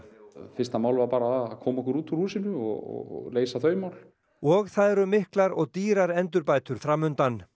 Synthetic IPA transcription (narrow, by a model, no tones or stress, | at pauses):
fɪst̪amaːwlvaɾpaːɾaːðakʰɔːmɔhkʏɾuːt̪ʰuhuːsɪnʏɔ̰ɔ̰leːjsaθœɥmawl | ɔɣθaðɛɾʏmːɪhklaɾɔɣt̪iːɾaɾɛnt̪̬ʏɾpaːjt̪ʏɾ̥fɾamʏnt̪an